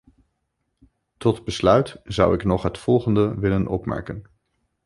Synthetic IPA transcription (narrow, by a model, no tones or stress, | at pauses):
tɔtbəslœɥtzʌ̰wɪknɔχɦətfɔlˠχəndəʋɪlənʔɔpmɛ̰ɹkən